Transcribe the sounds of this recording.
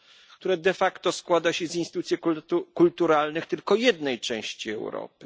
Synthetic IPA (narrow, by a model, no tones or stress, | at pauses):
kt̪uɾɛd̪ɛfakt̪ɔskwad̪aɕɛzinst̪ut̪sʲjikult̪uɾalnɘxt̪ɘlkɔjɛd̪nɛjt͡ʂɛ̃w̃ɕt͡ɕiɛ̰wɾɔ̰pɘ̥